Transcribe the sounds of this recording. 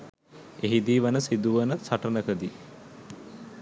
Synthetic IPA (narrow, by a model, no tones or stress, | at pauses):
eɦid̪iːʋənəsid̪uʋənəsaʈənəkəd̪i